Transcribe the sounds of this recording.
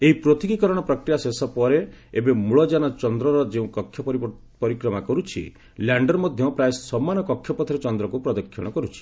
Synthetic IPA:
eɦipɾot̪iɡikɔɾɔɽ̃ɔpɾɔkɾijasesɔpɔɾe | ebemuɭɔd͡ʒanɔt͡ʃɔnd̪ɾɔɾɔd͡ʒeũkɔkʰjɔpɔɾi | pɔɾikɾɔmakɔɾut͡ʃʰḭ | ljaɳɖɔɾmɔd̪ʱjɔpɾaessɔmːanɔkɔkʰːjɔpɔt̪ʰɔɾet͡ʃɔnd̪ɾɔkupɾɔd̪ɔkʰːjɔ̰ɽ̃ɔkɔɾut͡ʃʰi̥

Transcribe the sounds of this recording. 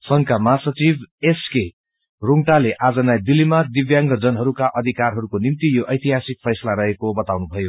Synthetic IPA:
sʌŋkamʌaɦasʌt͡sibeske | ruŋʈaleʔad͡zʌnajd̪ilːimad̪ibjaŋɡʌd͡zʌnɦʌɾukaʔʌd̪ʱikarɦʌɾukonimt̪ijoʔʌjt̪iɦasik̚pʰʌjsʌlaɾʌɦekobʌt̪awnubʱʌjo

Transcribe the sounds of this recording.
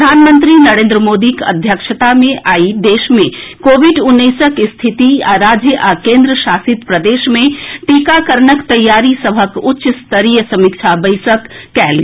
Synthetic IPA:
d̪ʱanmənt̪ɾinəɾẽːnd̪ɾəmod̪ikə̰d̪ʱjəkʃʰət̪amẽʔʔaid̪esmẽkobʱiɖunːəsəkst̪ʰit̪iaɾad͡ʒjəʔakẽnd̪ɾəʃasit̪pɾəd̪esmeʈikakəɾnəkt̪əjːaɾisəbʱəkʊtːʃəst̪əɾijəsəmik̚t͡ʃʰabəɪsəkːɛɦl

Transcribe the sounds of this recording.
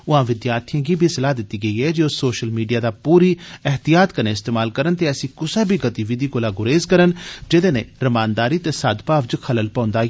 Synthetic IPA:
ʊɦãːʋɪd̪jaːɾt̪ʰijãːɡiːbʱiːsəlaːd̪ɪt̪ːiːɡəiːɦɛːd͡ʒiʊsːoːʃəlmiːɖijaːd̪aːpuːɾiːɛɦt̪ijaːt̪kəneːɪst̪eːmaːlkəɾənt̪eːəsĩːkʊsaːbʱiːɡət̪iːʋɪd̪iːkoːlaːɡʊɾeːzkəɾənd͡ʒɪd̪eːneːɾəmaːnd̪aːɾiːt̪eːsaːd̪paːʋd͡ʒkʰələlpãːʊ̃nd̪aː

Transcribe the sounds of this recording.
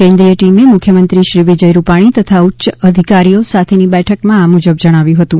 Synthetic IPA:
kɛ̃nd̪ɾijəʈimemʊkʰjəmənt̪ɾiʃɾiʋid͡ʒəjɾupaɽ̃it̪ət̪ʰautːʃəəd̪ʱikaɾijosat̪ʰenibɛʈʰəkmãamud͡ʒəbd͡ʒəɽ̃aʋjũɦət̪ũ

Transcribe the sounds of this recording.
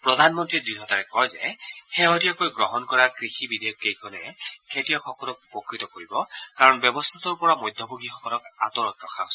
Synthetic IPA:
pɹɔd̪ʱanmɔntɹidiɦɔtaɹɛkɔjzɛ̰xeɦɔtiakojɡɹɔɦɔnkɔɹakɹixibid̪ejɔkːejkʰɔnɛkʰetijɔxʰɔkɔlɔk̚pɔkɹit̪ɔkoɹibɔkaɹɔnbjɔbɔst̪ʰat̪ɔɹpɔɹamɔjd̪ʱːɔbʱoɡixɔkɔlɔkat̪ɔɹɔtɹɔkʰaɦosɛ

